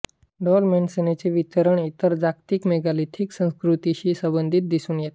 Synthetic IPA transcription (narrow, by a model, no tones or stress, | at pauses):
ɖɔlmensenet͡seʋit̪əɾəɳit̪əɾd͡zakt̪ikmeɡalit̪ʰiksə̃skɾut̪iɕiːsəbənd̪ʱit̪̚d̪isuːnjet̪